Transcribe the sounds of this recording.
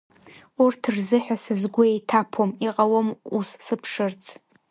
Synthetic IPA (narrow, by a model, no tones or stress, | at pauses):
urtʰɨrzɨħᶣasɨzɡʷʊejtʰapʰomiqʼalomussɨpʰʂɨrt͡sʰ